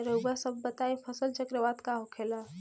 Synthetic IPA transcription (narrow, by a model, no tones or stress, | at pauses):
ɾowbasəbːət̪aẽpʰəsəlt͡ʃəkɾəʋat̪kaɦokʰela